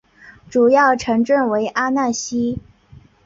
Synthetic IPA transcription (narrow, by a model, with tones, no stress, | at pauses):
ʈ͡ʂu˨˩jɑ˥˩ʊʈ͡ʂʰɤ˧˥ŋʈ͡ʂə˥˩ŋwe˧˥ɪʔa˥na˥˩ɕi˥